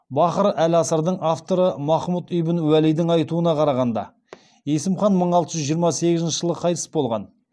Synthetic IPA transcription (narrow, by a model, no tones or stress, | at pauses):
bɑqəɾælɑsəɾd̪əɴʔaft̪o̞ɾəmɑχmut̪ʏjbɪnwælijd̪ɪŋɑjt̪uənɑqʰɑɾɑʁɑnd̪ɑ̰ | je̞sɪmχɑnməɴɑlˠt̪əʒʏʒijəɾmɑse̞ɡʲɪzɪnʃəʒ̥əlˠʁəqʰɑjt̪ə̥sbo̞lˠʁɑ̰n